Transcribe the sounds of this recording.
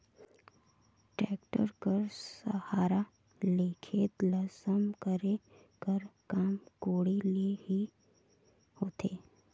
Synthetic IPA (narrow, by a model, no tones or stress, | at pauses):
ʈɾɛːk̚ʈə̰ɾkəɾsəhaːɾa | leːkʰet̪lɐsəmkəɾe | kəɾkaːmkoːɽilehi | hoːt̪ʰeː